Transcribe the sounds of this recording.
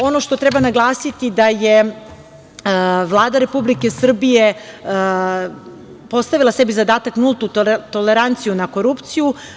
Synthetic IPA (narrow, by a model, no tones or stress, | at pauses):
o̞no̞ʃt̪o̞t̪ɾebanaɡlˠaːsit̪id̪aje | ʋlˠaːd̪aɾe̞publike̞sr̩bije̞ | po̞st̪aʋilˠasebizad̪aːt̪aknulˠt̪ut̪oleɾant̪sijunako̞ɾupt̪siju